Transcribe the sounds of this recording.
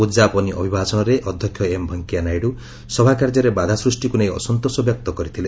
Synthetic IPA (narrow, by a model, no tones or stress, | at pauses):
ud͡ʒapɔniʔɔ̰bʱibʱasɔɽ̃ɔɾeʔɔd̪ʱjɔkʰjɔembʱɔŋkianajɽu | sɔbʱakaɾd͡ʒɔɾebad̪ʱasɾusʈikunej̃ɔ̰sɔnt̪osɔbjɔk̚t̪ɔkɔɾit̪ʰile